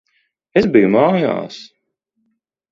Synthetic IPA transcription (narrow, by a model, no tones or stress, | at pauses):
ezbijumaːja̰ːs